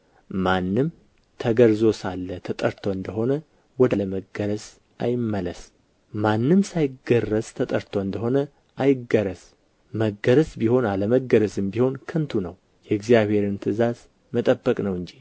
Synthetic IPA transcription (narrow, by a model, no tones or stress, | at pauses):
manːɨm | t̪ʰəɡəɾzo̞salːət̪ʰət̪ʼəɾt̪ʰoɨnd̪əɦo̞nə | wɔd̪aləməɡəɾəs | ʔajɪmːələs | manːɨmsajɪɡərːəst̪ʰət̪ʼəɾt̪ʰoɨnd̪əɦo̞nə | ʔajɪɡəɾəs | məɡəɾəsbiho̞naləməɡəɾəzɨmbiho̞nkʰɨnt̪ʰunəw | jɛɨɡzijaβhe̞ɾɨnt̪ʰɨzaz | mət̪ʼəbːəkʼnəwɨnd͡ʒi